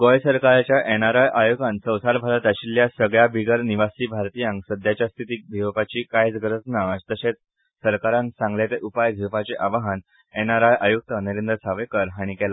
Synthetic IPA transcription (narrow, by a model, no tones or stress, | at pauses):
ɡ̥ojsəɾkaɾat͡ɕjaʔenaɾajʔajuɡãnsə̃wsaɾbʱalat̪aɕilːjasəɡɭjabiɡəɾniʋasiːbʱaɾt̪ijãŋksəd̪ʱjat͡ɕjast̪ʰit̪iːk̚b̪ʱiʋpat͡ɕiːkajt͡sɡɾət͡snad͡ʑt̪əɕet͡s | səɾkaɾãnsãŋɡljat̪eʔupajɡ̪ʱipat͡seʔaʋaɦan | enaɾajʔajuk̚t̪əniɾend̪ɾəsaʋekəɾɦaɽ̃ikɛla